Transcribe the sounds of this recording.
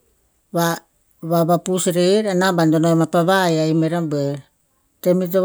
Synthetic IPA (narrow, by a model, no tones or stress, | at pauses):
βa | βaβapusɾeɾanabandonomapaβajaimeɾambeɾ | temito